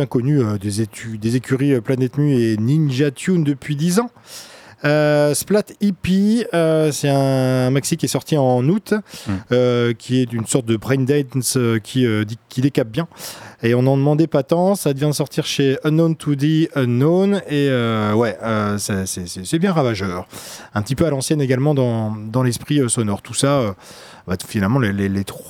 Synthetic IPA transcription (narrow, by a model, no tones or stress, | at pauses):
jɛ̃kɔnyød̪ezeyd̪ezekʲyʁiøplanɛt̪nyeninʒat̪jund̪əpɥid̪izɑ̃ | øsplat̪ipiøsɛt̪ɛ̃maksikʲiɛsɔʁt̪iɑ̃nut̪økʲʰiɛt̪ynsɔʁt̪̚d̪əbʁɛnd̪ɛnsøkʲʰiød̪ikʲid̪ekap̚bjɛ̃eɔ̃nɑ̃d̪əmɑ̃d̪ɛpat̪ɑ̃sad̪əvjɛ̃d̪əsɔʁt̪iʁʃeɔnont̪ʰud̪eɔnoneøwɛøsɛsɛsɛsɛbjɛ̃ʁavaʒœːʁɛ̃pət̪ipøalɑ̃sjɛneɡalmɑ̃d̪ɑ̃d̪ɑ̃lɛspχiøsɔnɔʁt̪usaø | bafinalmɑ̃lelelet̪